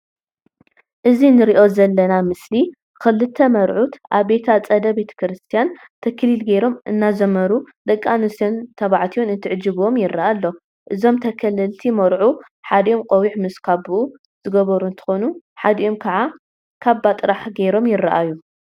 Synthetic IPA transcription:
ʔɨzinɨɾiʔo̞zɐlːɐnamɨsli | kɨlːɨt̪ʰːɐmɐɾʕut̪ʔaβbe̞t̪ʰat͡sʼɐd̪ɐbe̞t̪ʰɐ̥kɾɨst̪ʰijan | t̪ʰɐkʰːɨlilɡejɾo̞mʔɨnːazɐmɐɾud̪ɐkʼːanɨsiont̪ʰɐβaʕt̪ʰijonɨnt̪ʰɨʕɨd͡ʒɨβomjɪrːɐʔalːo̞ | ʔɨzo̞mt̪ʰɐkʰɐlɨlt̪ʰimɐɾʕu | ħad̪ɐʔomqʼowiħmɨskʰaβuʔu | z̥ɨɡɐβɐɾunt̪ʰɨ̥xo̞nu | ħad̪iʔo̞mkʰɐʕa | kʰaβbat̪ʼɨɾaħɡejɾo̞mjɪrːɐʔaju

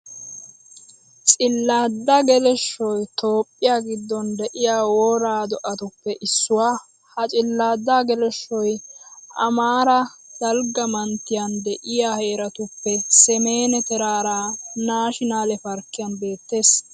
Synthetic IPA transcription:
t͡sʼɪlːaːd̪ːɐɡɛlɛʃːɔjt̪o̞ːpʼːɪjaːɡɪd̪ːɔnd̪ɛʔɪjaːwoːɾaːd̪ɔʔɐt̪ʊpːɛʔɪsːʊwaː | hɐt͡ʃʼɪlːaːd̪ːaːɡɛlɛʃːɔjʔɐ̰maːɾɐd̪̥ɐlɡɐmɐnt̪ːɪjɐnd̪ɛʔɪjaːhe̞ːɾɐt̪ʊpːɛsɛme̞ːnɛt̪ɛɾaːɾaːnaːʃɪnaːlɛfɐɾkːɪjɐnbe̞ːt̪ːe̞ːs

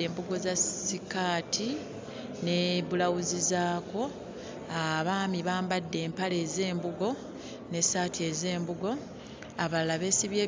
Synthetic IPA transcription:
eːmbuɡo̞zasikaːtʰi | neβulawuzizaːko̞ | aβaːmiβaːmbadːe̞ːmpale̞ːze̞ːmbuɡo̞ | ne̞saːtie̞ze̞ːmbuɡo̞ | aβalaβe̞ːsiβjeː

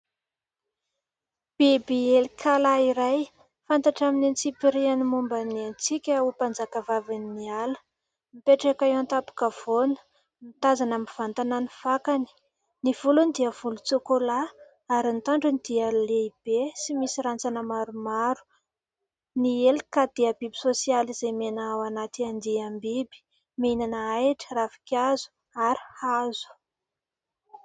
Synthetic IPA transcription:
b̥ebeelkʰalaiɾaj | fant̪aʈ͡ʂaminint͡sipiɾianimumbanant͡sikʲəupand͡zakəvavininialə̥ | mipeʈ͡ʂakaewant̪apu̥kəv̥onə̥ | mit̪azanamiv̥ant̪ananifakani̥ | niv̥ulunid̪iəv̥ulut͡sokola | aɾint̪aɳɖ͡ʐunid̪̥iəleib̥esimisiɾant͡sanəmaɾumaɾu̥ | nieli̥kad̪̥eəbibisosializemenaawanat̪iand̪iambibi̥ | menanəajʈ͡ʂə̥rafi̥kʲazu̥ | aɾi̥hazu̥

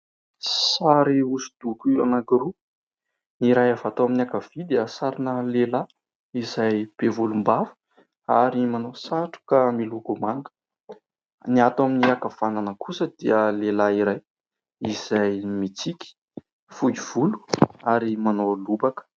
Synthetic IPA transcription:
saɾiusu̥d̪̥ukua̰naɡiɾu | iɾajavat̪oaminakav̥id̪iəsaɾinəlela | izajb̥evulumbavu̥ | aɾimanosaʈ͡ʂu̥kamilukumaŋɡə̥ | niat̪waminiakavananəkʰusəd̪iəlelaiɾaj | iz̥ajmit͡sikʲi̥ | fud͡ʒiv̥ulu̥aɾimanolubakə̥

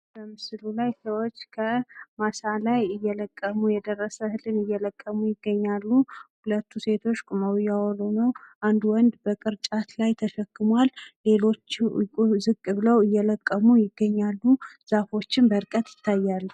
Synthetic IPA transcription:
b̥əmɨsɨlulajsəwot͡ʃːkʰəmasalajɨjːɛləkʼːəmujɛd̪ərːəsəhɨlɨnɨjːɛləkʼːəmujɪɡːəɲːalːuhulət̪ːuse̞t̪ʰo̞t͡ʃːkʼuməwjawɔlonəwʔand̪wɔnd̪bəkʼɨɾt͡ʃʼat̪lajt̪ʰəʃəkːɨmwalle̞lo̞t͡ʃːʼ | zɨkʼːɨβɨləwɨjːɛləkʼːəmujɪɡːəɲːalːuz̥afo̞t͡ʃːɪnbəɾkʼət̪jɪt̪ʰːajːalːu

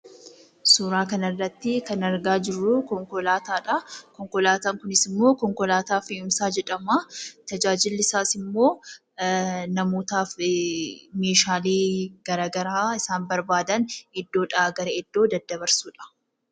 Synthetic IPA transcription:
suːɾaːkɐnɐrːɐt̪ːɪkɐnɐɾɡaːd͡ʒɪrːʊkɔŋkɔlaːt̪aːᶑɐkɔŋkɔlaːt̪aːŋkʊnɪsɪmːo̞ːkɔŋkɔlaːt̪aːfeːʊmsaːd͡ʒɛᶑɐmaːt̪ɐd͡ʒaːd͡ʒɪlːɪsaːsɪmːo̞ː | nɐmoːt̪aːf | me̞ːʃaːleːɡ̥ɐɾɐɡɐɾaːɪsaːnbɐɾbaːd̪ɐnɛd̪ːo̞ːᶑɐɡɐɾɐɛd̪ːo̞ːd̪ɐd̪ːɐbɐɾsuːᶑɐ̥

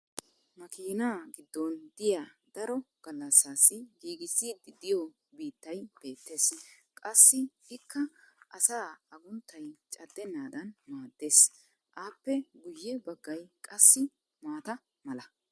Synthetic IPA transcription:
mɐkiːnaːɡɪd̪ːɔnd̪ɪjad̪̥ɐɾɔɡ̥ɐlːɐsːaːsɪɡiːɡɪsːiːd̪ɪd̪ɪjɔ | biːt̪ːɐjb̥e̞ːt̪ːe̞ːskʼɐsːɪ | ɪkːɐʔɐsaːɐɡʊnt̪ːɐjt͡ʃʼɐd̪ːɛnːaːd̪ɐnmaːd̪ːe̞ːs | ʔaːpːɛɡʊjːɛbɐɡːɐjkʼɐsːɪ | maːt̪ɐ | mɐlɐ

